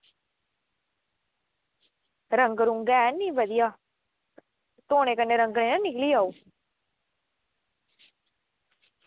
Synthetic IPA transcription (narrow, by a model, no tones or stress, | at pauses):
ɾəŋɡəɾũŋɡɛːnĩːʋəd̪ɪjaː | t̪oːñẽːkənːeɾə̃ŋɡɳẽːnãnɪkliːaːuː